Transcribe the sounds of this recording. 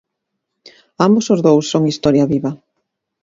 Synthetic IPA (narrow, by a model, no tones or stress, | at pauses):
ambosozðowsːoŋist̪ɔɾjɐβiβɐ